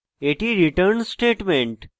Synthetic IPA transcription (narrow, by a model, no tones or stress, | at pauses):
eʈiɾiʈəɾnsʈeːʈmẽɳʈ